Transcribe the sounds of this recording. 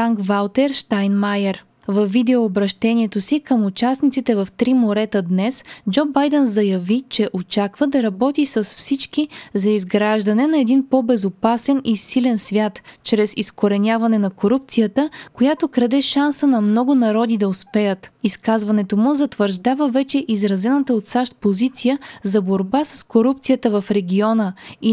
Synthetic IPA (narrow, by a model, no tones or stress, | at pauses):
ɾaŋkvalˠt̪ɛɾʃt̪ajnmajɛɾ | vɐvːid̪ɛoːbɾɐʃt̪ɛniɛt̪osikəmʊt͡ʃasnit̪sit̪ɛvɐft̪ɾimoɾɛt̪əd̪nɛsd͡ʒɔbajd̪ɛnzɐjɐvit͡ʃɛʔot͡ʃakvəd̪ɐɾɐbɔt̪isəsfsit͡ʃkizɐizɡɾaʒd̪ɐnɛnɐɛd̪inpɔbɛzopasɛnisilɛnsvʲjat̪t͡ʃɾɛsiskoɾɛnʲavɐnɛnɐkoɾup̚t̪sijət̪əkojat̪okɾɐd̪ɛʃansənɐmnɔɡʊnɐɾɔd̪id̪ɐʊspɛjət̪iskazvɐnɛt̪omʊzɐt̪vəɾʒd̪avəvɛt͡ʃɛʔizɾɐzɛnət̪əot̪saʃt̪̚pozit̪sijəzɐboɾbasəskoɾup̚t̪sijət̪əvɐfɾɛɡʲiɔnəi